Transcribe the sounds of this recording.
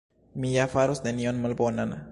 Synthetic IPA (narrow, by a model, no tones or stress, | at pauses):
mijafaɾosnenionmalbonan